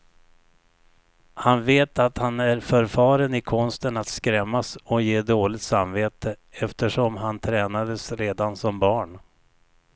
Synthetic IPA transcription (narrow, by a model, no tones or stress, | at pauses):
hanveːt̪at̪hanæɾfœɾfɑːɾənɪkʰɔnst̪ənat̪skɾɛmːasɔjeːd̪oːlɪt̪samveːt̪ʰəɛft̪əʂɔmɦant̪ʰɾɛːnad̪əsɾeːd̪ansɔmbɑːɳ